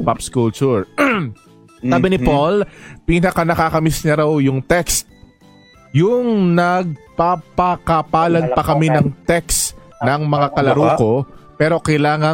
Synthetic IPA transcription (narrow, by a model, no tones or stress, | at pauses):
papskult͡ʃʊɹ | saːbɪnɪpolpiːnɐkanɐkakɐmɪsɲɐɾawjʊŋt̪ɛkst̪̚ | jʊŋnɐɡ̚papɐkɐpaːlɐd̪̚pɐkɐmɪnɐŋt̪ɛks | nɐŋmɐŋakɐlɐɾuːko̞pɛːɾo̞kɐjlaːŋɐ